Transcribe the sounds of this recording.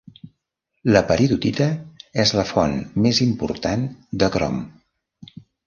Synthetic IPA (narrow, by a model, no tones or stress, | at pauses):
ləpəɾiðut̪it̪əɛzləfɔnmːezimpṵɾt̪and̪əkɾɔ̰m